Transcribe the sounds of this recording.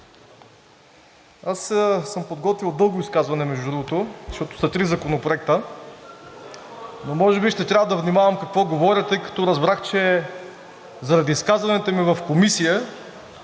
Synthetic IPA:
assɤmpod̪ɡɔt̪vilˠd̪ɤlˠɡoiskazvɐnɛmɛʒd̪ud̪ɾuɡot̪oʃt̪ɔt̪o̥sɐt̪ɾizɐkonopɾoɛk̚t̪ə | nomɔʒɛbiʃt̪ɛt̪ɾʲavəd̪ɐvnimavɐmkɐkvɔɡovɔɾʲət̪ɤjkɐ̥t̪ɔɾɐzbɾaxt͡ʃɛ | zɐɾɐd̪iːskazvɐnɛt̪ɛmivɐfkomisijə

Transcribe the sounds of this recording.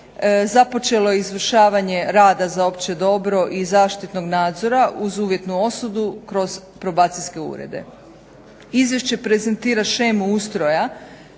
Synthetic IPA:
zapo̞t͡ʃe̞lo̞jeizʋr̩ʃaːʋaɲeɾaːd̪azaopt͡ʃe̞d̪o̞bɾo̞ʔizaːʃt̪it̪no̞ɡnaːd̪zo̞ɾaʔuzuːʋje̞t̪nuo̞sud̪ukɾo̞zpɾo̞baːt̪siske̞ṵːɾḛd̪e̞̰ | izʋje̞ʃt͡ɕe̞pɾezent̪iːɾaʃemuust̪ɾo̞ja

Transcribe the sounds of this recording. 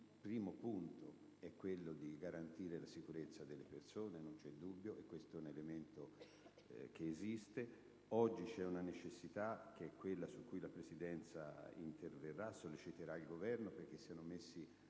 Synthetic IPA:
ilpɾiːmopunt̪o | ɛkːwelːod̪iɡaɾant̪iːɾelasikuɾet̪sːad̪elːepersoːnenont͡ʃɛd̪ːubːjoʔekːwest̪oɛunelement̪o | keːzist̪e | ɔd͡ʒːit͡ʃɛunanet͡ʃesːit̪ak̟eɛkːwelːasukːujlapɾesid̪ɛnt̪sa̰ḭnt̪erverːasːolːit͡ʃit̪eɾailɡovɛrnoperk̟esːianomesːi

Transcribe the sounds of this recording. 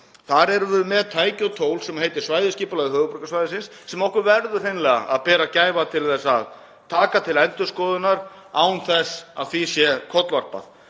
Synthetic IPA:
θaɾɛɾvʏmɛðt̪ʰaːjcɔt̪ʰoːwlsɛmhejt̪ɪ̥svaːjðɪsciːpʏlaɣðɪhœːɣʏpɾʏkasvajðɪsɪnsːɛmɔhkʏɾvɛɾðʏ̥θejnlɛːɣa̰ʔa̰ðpɛːɾacaːjvat̪ʰɪlθɛsːað | t̪ʰaːkat̪ʰɪlɛnt̪ʏskɔːðʏnaɾ̥ | aːwnθɛsa̰ðθisjɛkʰɔt̪lvar̥pa̰θ

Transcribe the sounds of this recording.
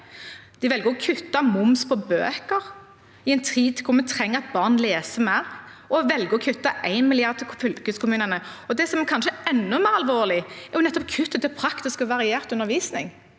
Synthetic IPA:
d̪̥ɪʋɛlɡəɾɔkʰʉt̪ːɑmʊmspʰɔbø̰ːkəɾ | ɪɛɪnt̪ʰiːd̪t̪ʰɪlkʰʊɾmɛt̪ʰʁɛŋːəɾɑt̪̚bɑʁnleːsəmɛɔʋɛlɡəɾɔkʰʉt̪ːɑʔæɪnmɪlɪɑʁd̪̚t̪ʰɪlfʏlkəskʊmʉːnənəɔd̪ɛsɔmɛkʰɑnʃəɛnːʊmeːɾɑlʋoːlɪæjʊnɛt̪ːɔp̚kʰʉt̪ːət̪ʰɪpʰɾɑkt̪ɪskɔʋɑɾɪeːɾt̪ʉnːəɾʋiːsnɪ̰ŋ

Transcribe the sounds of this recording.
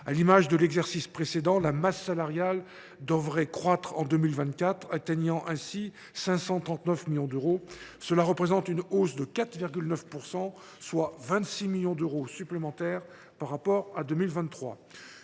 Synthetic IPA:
alimaʒd̪əlɛɡzɛʁsispχesed̪ɑ̃lamasːalaʁjal | d̪əvʁɛkχwat̪χɑ̃d̪ømilvɛ̃t̪̚kat̪χat̪ɛɲɑ̃ʔɛ̃si | sɛ̃sɑ̃t̪χɑ̃t̪nœfmiljɔ̃d̪øʁosəlaʁəpχezɑ̃t̪ynosd̪əkat̪χviʁɡʲylnœfpuʁsɑ̃ | swavɛ̃t̪similjɔ̃d̪øʁosyplemɑ̃t̪ɛʁ | paʁːapɔʁad̪ømilvɛ̃nːχwa̰

